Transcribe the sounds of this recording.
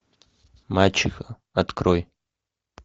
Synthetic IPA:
mat͡ʃʰixa | at̪kroj

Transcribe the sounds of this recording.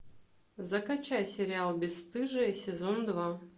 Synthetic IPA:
zɐkɐt͡ɕajsʲeɾʲɪalˠbʲɪsst̪ɨʐɐisʲezond̪va

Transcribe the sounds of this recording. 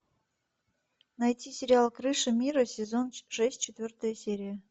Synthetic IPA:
nɐjtʲisʲɪɾʲɪalˠkɾɨʂɨmʲiɾəsʲɪzonʂɛsʲtʲt͡ɕɪt̪vʲort̪əjəsʲeɾʲɪjə

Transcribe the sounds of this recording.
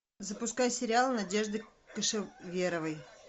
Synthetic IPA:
zəpʊskajsʲɪɾʲɪalˠnɐdʲe̞ʐd̪ɨkəʂɨvʲeɾəvəj

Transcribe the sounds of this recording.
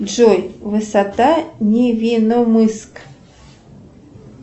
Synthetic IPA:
ʒojvɨsat̪anʲevʲinomɨsk

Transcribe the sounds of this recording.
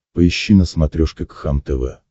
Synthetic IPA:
pəɪɕːinəsmɐt̪ɾʲoʂkʲɪkxamt̪ɛvɛ̰

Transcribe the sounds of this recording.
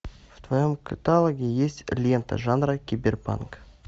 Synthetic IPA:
vd̪vojəmkʰət̪alˠoɡʲijesʲt̪ʲlʲjent̪ə̰ʒanrakʲebʲerpa̰nk

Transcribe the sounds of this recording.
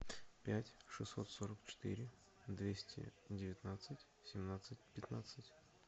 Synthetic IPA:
pʲætʲʂɨsːo̞̰t̪soɾəkt͡ɕɪ̥t̪ɨ̰ɾʲɪ | d̪vʲesʲtʲɪ̰dʲɪvʲɪt̪nat̪sɨtʲ | sʲɪmnat̪sɨt̚ʲpʲɪt̪nat̪sɨtʲ

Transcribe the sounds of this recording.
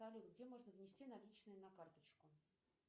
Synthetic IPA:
ɐlʲut̪ɡdʲemo̞ʐnəvnʲɪsʲtʲinɐlʲit͡ɕnʊjʊnɐkart̪ət͡ɕkʊ

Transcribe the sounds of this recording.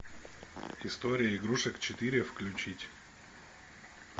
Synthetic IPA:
ɪst̪oɾʲɪjəɪɡɾuʂəkt͡ɕɪt̪iɾʲɪfklʲʉt͡ɕitʲ

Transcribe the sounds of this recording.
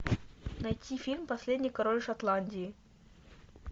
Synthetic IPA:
nɐjtʲifʲilʲmpɐsʲlʲedʲnʲɪjkɐɾolʲʂɐt̪lˠanʲdʲɪː

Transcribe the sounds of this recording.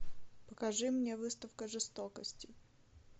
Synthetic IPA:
pəkɐʐɨmnʲevɨst̪əfkəʐɨst̪okəsʲtʲɪ

